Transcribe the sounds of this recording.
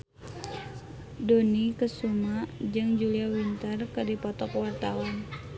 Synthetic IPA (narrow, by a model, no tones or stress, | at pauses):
donikəsumad͡ʒɨŋd͡ʒuliawint̪ərkədipɔt̪ɔkwart̪awan